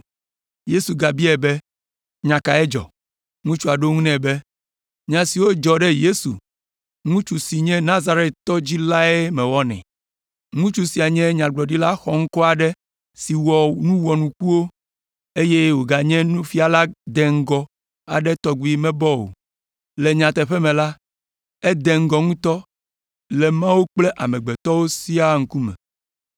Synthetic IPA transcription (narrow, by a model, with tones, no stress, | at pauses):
je˦su˨ɡa˨bi˦ɛ˨bɛ˦ | ɲã˨ka˨ɛ˦d͡ʒɔ̰˨ | ŋũ˦t͡ʃu˦a˨ɖo˦ŋũ˦nɛ̃˨bɛ˦ | ɲã˨si˨wo˦d͡ʒɔ˨ɖɛ˦je˦sṵ˨ | ŋũ˦t͡ʃu˨si˨ɲɛ̃˦nã˦za˨ɾe˦t̪t̪ɔ˦d͡ʑi˦la˦ɛ˦mɛ̃˨wɔ˦nɛ̰̃˨ | ŋũ˦t͡ʃu˦si˨a˨ɲɛ̃˦ɲã˨ɡ͡blɔ˨ɖi˦la˦xɔ˨ŋ̩˦kɔ˦a˨ɖɛ˦ | si˨wɔ˨nũ˦wɔ˨nũ˨ku˦wo˦ | e˦je˦wo˨ɡa˨ɲɛ̃˦nũ˦fi˦a˨la˦d̪ɛ˨ŋ̩˦ɡɔ˨ | a̰˨ɖɛ˦t̪ɔ˦ɡu˨˦i˨mɛ̃˦bɔ˦wo̰˨ | le˨ɲã˨t̪ɛ˨ɸɛ˦mɛ̃˨la˦ | ɛ˦d̪e˨ŋ̩˦ɡɔ˨ŋũ˦t̪ɔ˦ | lɛ˨mã˦wo˦k͡ple˦ʔa˨mɛ̃˨ɡ͡bɛ˨t̪ɔ˦wo˦si˦a˦ŋ̩˦ku˦mɛ̰̃˨